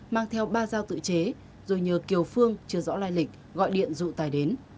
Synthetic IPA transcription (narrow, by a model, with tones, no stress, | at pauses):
maː˧ŋt̪ʰɛ˧wɓaː˧zaː˧wt̪ɨ̰˧˨t͡ɕe˨˦ | zo˨˩jɲəː˨˩ki˨˩əwfɨ˧əŋt͡ɕɨ˧əzɔ̰˧˥laː˧jlï˨˩k̟̚ | ɣɔ̰˧˨jɗḭ˧˨ənzṵ˧˨t̪aː˨˩jɗe˨˦n